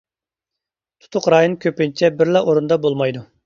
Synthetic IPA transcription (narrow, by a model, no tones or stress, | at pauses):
t̪ʰu̥t̪ʰʊqɾɑːjonkʲʰøpɪnt͡ʃʰɛbɪɾlɑʔoɾund̪ɑbolˠmɑjd̪u